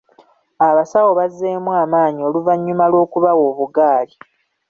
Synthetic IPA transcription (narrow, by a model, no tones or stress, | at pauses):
aβasawo̞βazːe̞ːmwaːmaːɲio̞luvaɲːumalwo̞ːkuβawo̞ːβuɡaːli